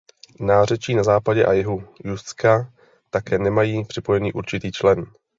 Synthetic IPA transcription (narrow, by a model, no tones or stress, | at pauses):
naːr̝ɛt͡ʃiːnazaːpaɟɛʔajɛɦujust͡ska | t̪akɛːnɛmajiːpr̝̥ɪpo̞jɛnḭːʔuɾt͡ʃɪt̪iːt͡ʃlɛn